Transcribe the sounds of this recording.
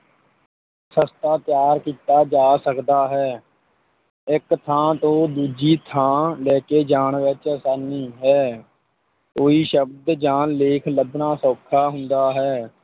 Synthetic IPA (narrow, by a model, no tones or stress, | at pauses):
səst̪aːt̪ɪjaːɾkiːt̪aːd͡ʒaːsəkd̪aːɦɛː | ɪkt̪ʰãːt̪õːd̪uːd͡ʒiːt̪ʰãːlɛːkeːd͡ʒaːɳʋɪt͡ʃəsaːniːɦɛː | koːiːʃəbd̪d͡ʒaːnleːkʰləbnãːsoːkʰːaːɦʊnd̪aːɦɛː